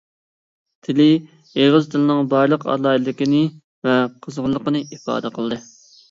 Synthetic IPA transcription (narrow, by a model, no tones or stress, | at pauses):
t̪ʰɪlɪ | eʁəzt̪ʰɨlɪnɨŋbɑɾlˠəqɑ̰lˠɑːilɨd̪ɪkʲinɪ | vɛqʰəzʁlˠːəqənɨifɑ̰ːd̪əqʰəlˠd̪ɨ